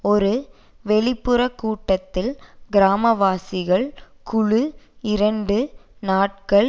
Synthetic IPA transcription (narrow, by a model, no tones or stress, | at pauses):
ɔɾɯ | ʋɛɭɪpːɯɾɐkːuːʈːɐt̪ːɪlɡɪɾaːmɐʋaːsɪɣɐɭ | kʊɻɯɪɾɐɳɖɯnaːʈ̚kɐɭ